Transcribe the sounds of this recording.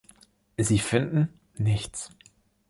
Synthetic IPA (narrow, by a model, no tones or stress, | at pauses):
ziːfɪndn̩ | nɪçt͡s